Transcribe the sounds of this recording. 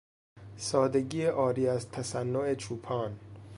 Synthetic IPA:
sɒːd̪e̞ɡiːeʔɒːɾiːæzt̪ʰæsænːoe̞t͡ʃʰuːpʰɒːn

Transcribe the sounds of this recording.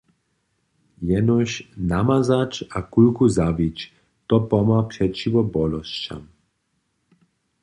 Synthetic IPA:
jɛnɔʃnamazat͡ʃakulkuzavit͡ʃ | t̪ɔpɔmaprɛt͡ʃiʋɔbɔlɔst͡ʃa̰m

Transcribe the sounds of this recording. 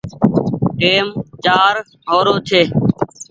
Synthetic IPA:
ʈeːmd͡ʒaːɾ | ɦoːɾoːt̪ʰeː

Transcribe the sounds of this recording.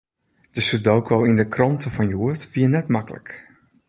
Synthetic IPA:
d̥əsədowkʰoːindəkrɔntəfɔnjuərtʋiənɛtmakələ̰k

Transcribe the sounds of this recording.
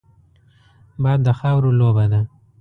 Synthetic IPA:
bɑd̪ːəxawɾolobad̪a

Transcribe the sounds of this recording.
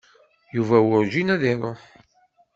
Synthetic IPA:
juvæwʊɾd͡ʒinæðɪɾˤoħ

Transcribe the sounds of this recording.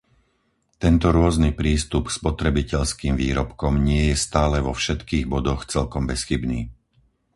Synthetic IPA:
t̪ɛnt̪ɔɾʊɔznipɾiːst̪upspɔt̪ɾɛbicɛʎskiːmviːɾɔpkɔmɲɪɛjɛst̪aːlɛʋɔfʃɛt̪kiːɣbɔd̪ɔxt͡sɛlkɔmbɛsxibniː

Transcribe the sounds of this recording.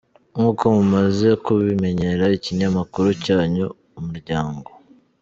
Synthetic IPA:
ŋuːko̞mumaze̞kuβime̞ɲe̞ɾaiciɲamakuɾucaːɲoː | muɾɟaːŋɡo̞

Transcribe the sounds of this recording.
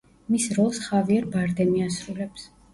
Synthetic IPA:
misɾɔlˠsχaviaɾbaɾd̪ɛmiasɾulɛps

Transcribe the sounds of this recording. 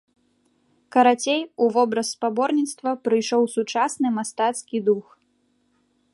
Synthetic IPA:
kɐɾat͡sʲejuvɔbɾɐsːpabɔrnʲit̪st̪vɐpɾɨjʂɔwsut͡ʂasnɨmast̪at̪skʲid̪ux

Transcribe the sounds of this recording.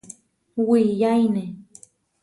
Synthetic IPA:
wijajne

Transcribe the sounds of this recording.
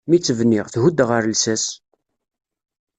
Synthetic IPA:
mit͡sːəvnɪʁθhud̪ʁəɾlsæs

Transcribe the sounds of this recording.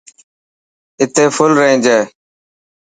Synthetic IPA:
ɪt̪eːfʰʊlɾəĩːnd͡ʒeː

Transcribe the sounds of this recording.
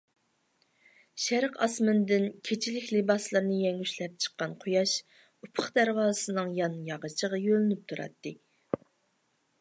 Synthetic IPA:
ʃæɾqɑ̰smɨnd̪ɪnkʲʰet͡ʃʰilɪkʲlebɑslˠɨɾnɨjɛŋyʃlɛp̚t͡ʃʰə̥qːɑnqʰojɑʃ | upʰəχd̪æɾwɑːɨsɨnɨŋjɑnjɑʁət͡ʃʰəʁɑjølɪnyp̚t̪ʰuɾɑ̰t̪ːɨ

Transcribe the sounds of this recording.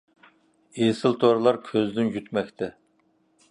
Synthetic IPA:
esɨlt̪ʰoɾlˠɑɾkʲʰøzd̪ɪnjyt̪mɛkʲt̪ʰɛ

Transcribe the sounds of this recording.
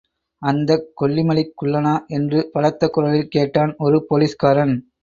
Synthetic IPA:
ɐnd̪ɐkːɔɭːɪmɐlɪkːʊɭːɐnaːʔɛndrɯpɐɻɐt̪ːɐkːʊɾɐɭɪlkeːʈːaːnɔɾɯpoːliːskaːɾɐn

